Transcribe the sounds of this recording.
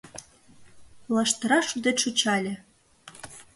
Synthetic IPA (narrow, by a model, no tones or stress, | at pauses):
lˠɑʃt̪ə̆ɾɑʃud̪et̪ʃot͡ɕɑlʲĕ